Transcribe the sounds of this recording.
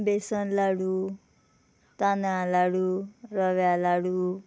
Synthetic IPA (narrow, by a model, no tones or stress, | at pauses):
besʌnlaɽu | t̪analaɽuɾʌʋalaɽu